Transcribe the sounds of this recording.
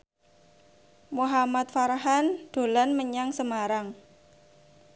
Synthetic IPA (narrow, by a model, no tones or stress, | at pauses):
muɦamat̪faɾaɦand̪̥o̤lanməɲaŋsəmaɾaŋ